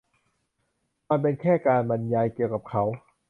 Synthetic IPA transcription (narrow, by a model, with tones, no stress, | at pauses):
ma˧np̬e˧nkʰɛː˥˩kaː˧nba˧njaː˧jki˨˩əwka˨˩p̚kʰa˦˥w